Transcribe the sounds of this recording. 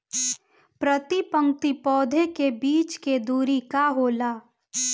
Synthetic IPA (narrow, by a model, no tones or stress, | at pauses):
pɾət̪ipə̃ŋkt̪ipɔːd̪ʱekebiːt͡ʃked̪uːɾikaɦoːlaː